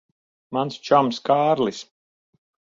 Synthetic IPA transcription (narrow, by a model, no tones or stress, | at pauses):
manst͡ʃɔmskaːɾlˠis